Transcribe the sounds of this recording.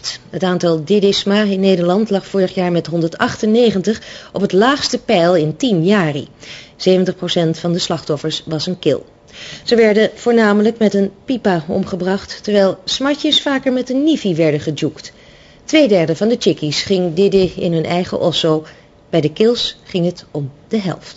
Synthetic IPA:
tɦətaːntɑlˠdɪdɪsmaɪnːejdəɹlɑntlɑχfʊːɹəχjaːɹmɛtɦɔndəɹtɑχtənːejχəntəχɔpɦətlaːχstəpɛjlˠɪntimjaːrḭz̥ejvəntəχprosɛntfɑndəslɑχtɔfəɹsʋɑsənkɪ̰lˠ | z̥əʋɛɹdəv̥ʊːɹnaːmələkmɛtənpipaɔ̰mχəbrɑχtːɛɹʋɛjlˠsmɑɹcəsfaːkəɹmɛtənːifiʋɛɹdəχəd͡ʒukt | tʋejdɛɹdəvɑndət͡ʃɪkisχɪŋdɪdɪɪ̰nɦɵnʔɛjχə̰ʔɔso | b̥ɛjdəkɪlˠsχɪŋɦətɔmd̥əɦɛ̰lˠft

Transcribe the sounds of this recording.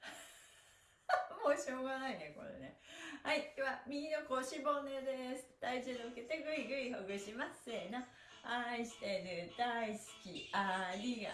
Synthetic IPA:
moɕo̞ːɡanaineko̞̰ɾḛnḛhaikeβamʲiinokoːɕiboned̪esɨ̥t̪aid͡ʑɨːd̪ooket̪eɡɯ̟iɡɯ̟ihoɡɯɕimasena | aiɕi̥t̪eɾɯd̪̥aisɨ̥kʲiaɾʲiɡa̰

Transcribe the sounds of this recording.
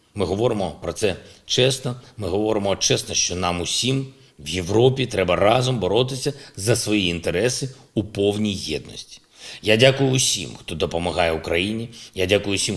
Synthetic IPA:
mɪɦɔʋɔɾɪmɔpɾɔt̪sɛt͡ʃɛst̪ɔmɪɦɔʋɔɾɪmɔt͡ʃɛst̪nɔʃt͡ʃɔnɑmʊsʲim | ʋjeʋɾɔpʲit̪ɾɛbɐrɑzɔmbɔɾɔt̪ɪsʲɐzɐsʋɔjiint̪eɾɛsɪupɔwnʲijjɛd̪̚nɔ̰sʲtʲi̥ | jadʲakʊjʊːsʲḭmxt̪ɔd̪ɔpɔmɐɦɑjɛukɾɐjinʲijadʲakʊjʊːsʲim

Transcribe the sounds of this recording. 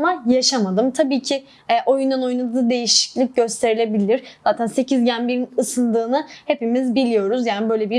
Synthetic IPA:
majaʃamad̪ɯmt̪ʰabiːcʰi | ɛʔo̞jund̪ano̞junad̪ɯːd̪e̞jiʃi̥clʲic̚ɟø̞st̪ʰe̞ɾilʲe̞bilʲiɾ̥z̥aːt̪ʰænse̞cʰizɟænbiɾinɯsɯnd̪ɯːnɯhe̞pimizbilʲijo̞ɾuzjaːnibø̞jlʲebiɾ

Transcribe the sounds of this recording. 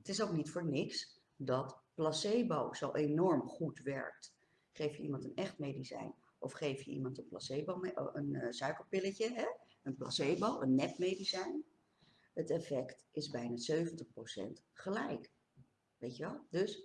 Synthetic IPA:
ətɪsowknitfʊːɹnɪks | dɑtplɑsejbowzowʔejnɔɹmχutʋɛ̰ɹk̚t | χejfjəimɑntənɛχtmejdisɛ̰jn | ʔɔ̰fχejfjəʔḭmɑntənplɑ̰sejbomeənsœɥkəlpɪləcəɦɛ | ənplɑ̰sejbowʔənːɛpmejdisɛjn | ɦətɛfɛktɪzbɛjnazøɥvəntəχprowsɛ̰nt | χəlɛjk | ʋejtəʋɛlˠdɵs

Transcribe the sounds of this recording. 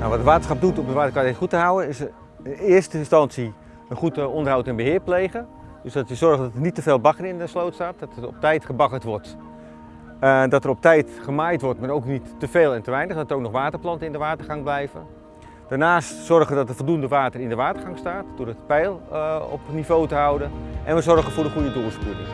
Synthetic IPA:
naʋɔtdəʋaːtəsχɑp̚dutɔpədʋaːtərkaχutəɦawənɪs | nɪːərstəɪnstɑnsi | ənχutəondərɦawtɛnbəɦɪərplejɣə | døsdɔtəzɔrɣədɔtərnitːəfeːlˠbɑkərɪndəslowtstaːt̚dɔtərɔ̰p̚tɛjtχəbɑkətʋɔrt | dɔtərɔp̚tɛjtχəmaːjtʋɔrtmarowknitːəfeːlˠɛntəʋɛjnəχdɔtərowk̚nɔχʋaːtərplˠɑntəɪndəʋaːtərχɑŋblɛjvə̰ | d̥aːrnaːstsɔrəʋədɔtəfɔlˠdundəʋaːtərɪndəʋaːtərχɑŋstaːtd̥oːɾətpɛjlˠɔ̰pnivowtəɦawdəʔɛ̰nʋəzɔrχənfʊːdəχujdədoːspuɪŋ

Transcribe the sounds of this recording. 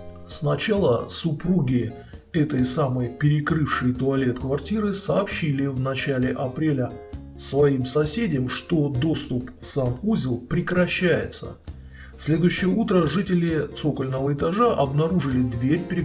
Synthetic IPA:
snɐt͡ɕalˠəsʊpɾuɡʲɪ | ɛt̪əjsaməjpʲɪɾʲɪkɾɨfʂɨjt̪ʊɐlʲe̞t̪kvɐrtʲiɾɨsɐːpɕːilʲɪvnɐt͡ɕælʲɪʔɐpɾʲelʲə | svɐimsɐsʲedʲɪjmʂt̪o̞d̪o̞st̪ʊpsamuzʲɪlˠpɾʲɪkɾɐɕːæjɪ̰t̪sə̰ | sʲlʲe̞d̪ʊjʉɕːɪjəut̪ɾəʐɨtʲɪlʲɪt̪sokəlʲnəvəɪt̪ɐʐaʔɐbnɐɾuʐɨlʲɪd̪vʲeɾʲpʲɪɾʲɪ

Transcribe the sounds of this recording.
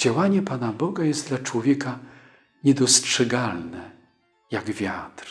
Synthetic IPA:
d͡ʑawaɲɛpanabɔɡajɛst̪d̪lat͡ʂwɔvʲjɛka | ɲɛd̪ɔstʂɛɡalnɛ | jaɡvʲjat̪ɾ

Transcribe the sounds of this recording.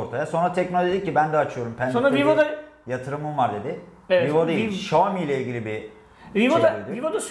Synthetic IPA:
oɾt̪ʰajaso̞nɾat̪ʰɛcno̞lʲoʒicːibænd̪ɛat͡ʃʰɯjo̞ɾumpʰænsonɾavivod̪a | jat̪ʰɯɾɯmɯnvaɾd̪e̞d̪ɪ | eɛvivod̪ajiʃomijlʲɛilʲɟʲilʲibi | ivoaivod̪as

